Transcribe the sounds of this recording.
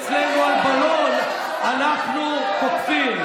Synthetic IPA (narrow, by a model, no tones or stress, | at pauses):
t͡slemualbalon | anaχnu | kotfim